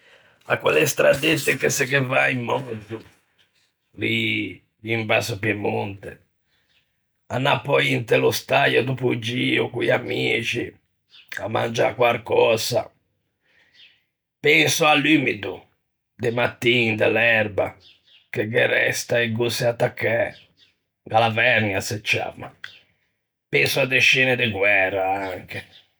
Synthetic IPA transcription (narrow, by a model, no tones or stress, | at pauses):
a̰kwɛ̰lɛst̪ɾad̪et̪ːɛkɛsɛɡɛvaimːɔzu | li | imbasɔpɛmont̪ɛ | anːapːɔint̪ɛlɔst̪ajɔd̪upud͡ʒiːɔkujamiːt͡ʃi | amːa̰nd͡ʒa̰kwaɾkɔːza̰ | pɛnsʊalːymid̪u | d̪ɪmat̪ːind̪alɛɾba | keɡɛɾɛ̰st̪aeɡusiat̪ːakʰːɛ | ɡalavɛɾnjaset͡ʃːa̰mːa | pɛnsʊad̪eʃiːnɪd̪ɪɡwɛrːaaŋke